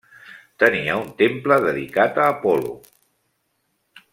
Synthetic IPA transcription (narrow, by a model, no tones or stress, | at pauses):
t̪əniəunt̪empləðəðḭkat̪əːpɔlṵ